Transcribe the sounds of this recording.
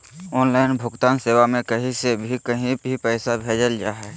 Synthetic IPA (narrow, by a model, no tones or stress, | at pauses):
ɔːnlaɪnbʱʊɡt̪aːnseːwamẽkəɦĩsebʱikəɦĩbʱipɛːɪsabʱeːd͡ʒəld͡ʒa̰ːɦɛ